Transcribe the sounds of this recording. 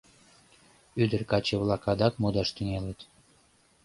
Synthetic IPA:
yd̪ərkɑt͡ɕeβlɑkɑd̪ɑkmod̪ɑʃt̪yŋelet̪

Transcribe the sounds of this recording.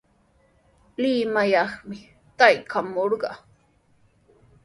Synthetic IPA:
lɪmajɑχmɪ | t̪ajkʰamoɾɢɑ̰ː

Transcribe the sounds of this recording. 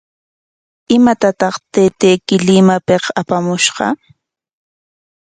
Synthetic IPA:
ɪmat̪at̪ɑχt̪eːt̪ejkɪlɪmapeqapamʊʃɢɑ̰

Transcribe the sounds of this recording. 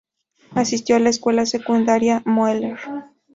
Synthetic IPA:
asist̪joalaeskwe̞lasekund̪aɾjamoeleɾ

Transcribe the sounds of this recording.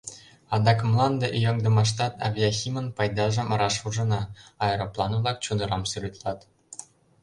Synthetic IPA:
ɑd̪ɑkmlˠɑnd̪ɤʔijɤ̆ŋd̪ɤ̆mɑʃ̬t̪ɑt̪ɑ̰bjɑxʲimə̆npɑjd̪ɑʒə̆mɾɑʃuʒɤ̆nɑɑjɾoplˠɑnvlˠɑk̚t͡ɕud̪ɤ̆ɾɑmselʲyt̪lˠɑt̪

